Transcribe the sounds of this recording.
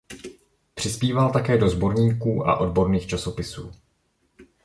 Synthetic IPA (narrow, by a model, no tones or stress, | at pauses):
pr̝̥ɪspiːvalt̪akɛːdo̞zbo̞ɾɲiːkuːʔa̰ʔo̞dbo̞ɾniːxt͡ʃaso̞pɪsuː